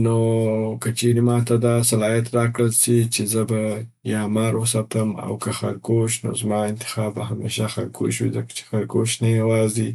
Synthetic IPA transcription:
nokət͡ʃeɾimɑt̪ad̪ɑsalɑjat̪ɾɑkɽəlsit͡ʃezəba | jɑmɑɾwəsat̪əma̰wkəxaɾkoʃno̰zmɑɪnt̪ɪ̥xɑbahamḛʃaxalkʰo̰ʃwḭd̪akt͡ʃe̥xaɾkoʃnajawɑzd̪i

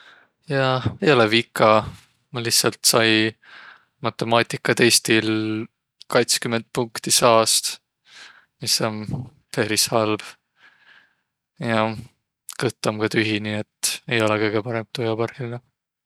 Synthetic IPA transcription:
jɑe̞jo̞levikˑːɑ | mɑlihssɑlt̪sɑj | mɑt̪ːˑe̞mɑːt̪ʲˑikːˑɑt̪e̞jst̪il | kɑjt̪skymːend̪̥̚puŋkt̪isɑːst̪ | misːo̞n | peɾishɑlb̥ | jɑ | kɤt̪ːˑɑmkɑt̪yɦiniet̪ːe̞jo̞lɛkɤjɡ̥e̞pɑɾe̞mt̪ujɑpɑrhilne

